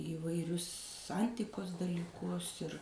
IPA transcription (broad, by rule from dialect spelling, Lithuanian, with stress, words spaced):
iːʋɐɪˈrʲʊs ˈɐnʲtʲɪkoːs dɐlʲiːˈkʊs ɪr